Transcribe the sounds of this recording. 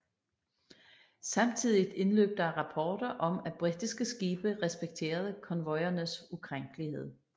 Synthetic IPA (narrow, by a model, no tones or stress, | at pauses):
sɑ̈mt͡sʰið̰ˠid̥e̝nlø̰ːb̥̚d̥ɑʁɑ̈pʰɒːd̥ɐʔɒ̽mæb̥ʁid̥isɡ̥əsɡ̥iːb̥əʁɛsb̥eɡ̥̚t͡sʰe̝̰ːɐð̞ˠkʰɒ̽nʋɒ̽ɪɐnəsukʰʁaŋ̰ɡ̥əlihe̝ð̞̰ˠ